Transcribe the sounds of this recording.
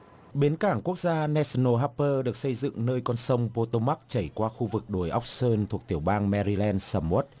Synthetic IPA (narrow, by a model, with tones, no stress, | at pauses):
ɓe˨˦nkaː˧˩ŋku˦˥ək̚zaː˧nɛ˧sno˧ɦaː˧˥pːəː˧ɗɨ˨˩ək̚sə˧jzɨ̰˧˨ŋnəː˧jkɔ˧nsə˧wŋ͡mpo˧t̪o˧ma˦˥k̚t͡ɕə˧˩jkwaː˧xu˧vɨ˨˩k̚ɗo˨˩jʔa˦˥wk͡p̚səː˧nt̪ʰu˨˩ək̚t̪i˧˩əwɓaː˧nmɛ˧ɾi˧lɛ˧nsaː˧mo˦˥t̚